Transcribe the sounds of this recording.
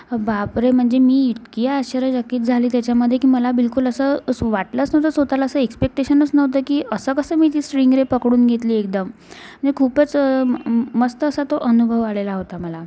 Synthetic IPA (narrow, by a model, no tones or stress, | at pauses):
bapɾem̤əɳd͡zemiːit̪kijaːɕəɾəd͡ʑəkiːt̪d͡zʱaliːt̪jat͡ɕjaməd̪ʱːjekiːməlabilkuləsəːʋaʈlət͡snəʋt̪əːsɦot̪alaəsəekspek̚ʈeɕənət͡snəʋt̪əːkiːʔəsəːkəsəːmiːt̪iːsʈɾiŋɡɾepəkɽuːnɡʱet̪liːekd̪əm̤ | əɳd͡zekʰuːpət͡s | məst̪əːsat̪oʔənubʱəʋalelaɦot̪aməla